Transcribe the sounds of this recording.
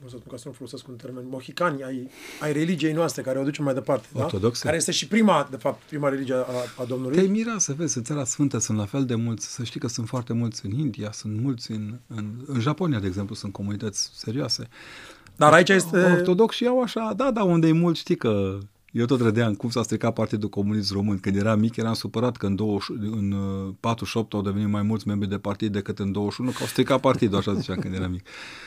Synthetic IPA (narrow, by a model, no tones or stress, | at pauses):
osəəspunkasənufoloseskunt̪eɾmenʲmoxikanʲajajɾe̞lid͡ʒije̞jnoast̪ɾe̞kaɾeoad̪ut͡ʃemːajd̪e̞part̪edorat̪od̪okskeaɾeje̞st̪eʃipɾimad̪e̞fap̚t̪pɾimaɾelid͡ʒieaaːd̪omnulutj̪ejmiɾeasəve̞zʲɨnt̪saɾasfɨnt̪əsunt̪lafe̞ld̪e̞mult̪sʲsəʃt̪ijkəsunt̪foart̪e̞mult̪sʲɨnind̪iasunt̪mult̪sʲɨnɨnɨnʒaponiad̪eɡze̞mplusunt̪̚ko̞munit̪ət̪sʲse̞ɾioase̞ | d̪aɾait͡ʃajest̪eort̪o̞d̪o̞ksʃijawaʃad̪ad̪aund̪ejmult̪ʃt̪ikə | jewt̪o̞t̪ɾəd̪eakumsast̪ɾikapart̪id̪uko̞munis̬t̪ro̞mɨnkɨnd̪je̞ɾamikʲjeɾamsupəɾat̪kəɨnd̪o̞wəʃuɨnpat̪ɾuʃo̞p̚t̪awd̪eve̞nit̪majmult̪sʲme̞mbɾid̪e̞part̪id̪̚ːe̞kɨt̪ɨnd̪owəʃunukəawst̪ɾikat̪̚part̪id̪uaʃazit͡ʃamkɨnd̪jeɾamikʲ